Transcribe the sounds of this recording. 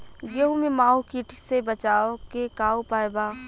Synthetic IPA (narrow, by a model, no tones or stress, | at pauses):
ɡeɦumemãːukiʈʰisebət͡ʃaːokekaːopaːeba